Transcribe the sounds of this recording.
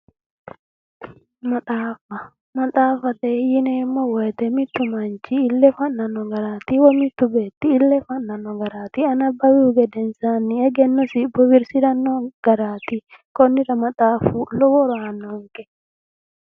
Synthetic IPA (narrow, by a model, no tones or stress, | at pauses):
mɐt̪aːfɐ | mɐt̪ʼaːfɐt̪ɛinɛmːɔwɔjd̪ɛmɪt̪ːʊmɐnt͡ʃiːlːɛfɐnːɐnːɔɡɐɾaːt̪iwɔmɪt̪ːʊbeːt̪ːiːlːɛfɐnːɐnːɔɡɐɾaːt̪iɐnɐbːɐwiuɡɛd̪ɛnsanːiɛɡɛnːɔsɪbɔwɪɾsɪdɐnːɔɡ̥ɐɾaːt̪ikɔnːɪɾɐmɐt̪ʼaːfulɔwɔɾanːɔŋkʼɛ